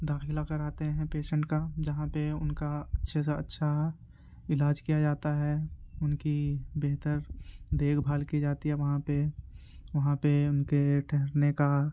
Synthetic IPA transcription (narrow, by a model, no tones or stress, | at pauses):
d̪aːxɪlakɐɾaːt̪eɦɛ̃peːʃə̃ɳʈkad͡ʒɐɦãpeʊnkaɐtːʃʰes̬eɐ̰tːʃʰa | ɪlaːd͡ʒkijad͡ʒaːt̪aɦɛʊnkibeɦt̪əɾd̪eːkʰbʱaːlkid͡ʒaːt̪iɦɛʋɐɦãpe | ʋɐɦãpeʊnkeʈʰɛɦɾneka